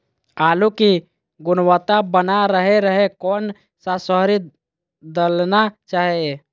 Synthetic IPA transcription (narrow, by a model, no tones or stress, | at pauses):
aːluki | ɡʊnwət̪abənaɾəɦeɾəɦekɔn | sasəɦɾi | d̪əlnat͡ʃaːɦe